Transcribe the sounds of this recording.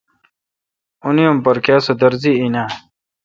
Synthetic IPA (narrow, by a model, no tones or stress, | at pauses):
unijumpɐɾkaːsɐd̪əɾziinaː